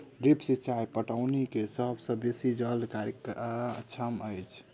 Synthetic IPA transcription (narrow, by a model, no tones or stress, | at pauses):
ɾepsit͡ʃajpəʈaʊnikesəbʱsə̃besid͡ʒəlkaɾkt͡ʃʰəməjt͡ʃʰ